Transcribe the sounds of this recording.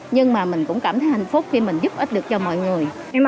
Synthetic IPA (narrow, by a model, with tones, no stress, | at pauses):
ɲɨ˧ŋmaː˨˩mï˨˩ŋ̟kʊ̰˧˥ŋ͡mkaː˧˩mt̪ʰə˨˦jha˧˨˩jŋ̟fʊ˦˥k͡p̚xi˧mï˨˩ŋ̟zʊ˦˥p̚ʔi˦˥t̚ɗɨ˨˩ək̚t͡ɕɔ˧mɔ̰˧˨jŋɨ˨˩əj | ɛ˧m